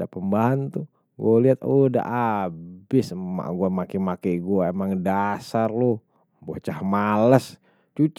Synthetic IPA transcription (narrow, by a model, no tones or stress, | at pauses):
dapəmbaɦant̪u | ɡaliɦat̪oda̰ʔabɪsma̰ɡuamakimakɛɡuaemaŋdasarlo | boht͡ʃahmaləs | t͡ʃut͡ʃ